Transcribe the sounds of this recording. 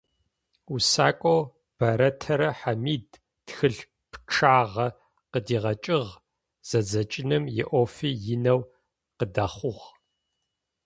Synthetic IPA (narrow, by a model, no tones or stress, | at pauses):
usa̰ːkʷʼow | b̥ɐɾɐtʰɐɾɐħamiːd | xɨɮ | pʰʈ͡ʂʰaːʁɐ | qədiːʁɐt͡ʃʼɪʁ | z̥ɐd͡zɐt͡ʃʼɪnɨmjɪ̰ʔoːfiːjɪnɐw | qədaːχʷʊʁ